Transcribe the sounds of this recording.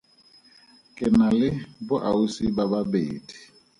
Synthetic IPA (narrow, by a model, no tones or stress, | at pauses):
kʼɪnalɪbʊʔausibababeːdi̥